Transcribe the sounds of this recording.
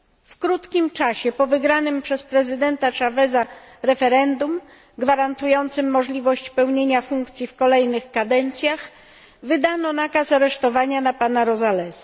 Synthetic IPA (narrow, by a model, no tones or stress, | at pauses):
fkɾut̪kʲimt͡ʂaɕɛpɔvɘɡɾanɘmpʂɛspɾɛzɘd̪ɛnt̪at͡ʂavɛza | ɾɛfɛɾɛnd̪um | ɡvaɾant̪ujɔnt̪sɘmːɔʐlʲivɔɕt͡ɕpɛwɲeɲafuŋkt̪sʲjifkɔlɛjnɘxkad̪ɛnt̪sʲjax | vɘd̪anɔnakasaɾɛʂt̪ɔvaɲanapanaɾɔzalɛs